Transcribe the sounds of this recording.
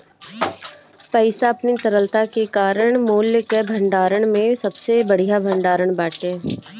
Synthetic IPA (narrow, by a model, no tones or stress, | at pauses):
pɛɪsaɐpnit̪əɾəlt̪akekaːɾəɽ̃moːljəkebʱə̃ɳɖaːɾəɽ̃mẽsɐbsebɐɽ̤ijabʱə̃ɳɖaːɾəɽbaːʈeː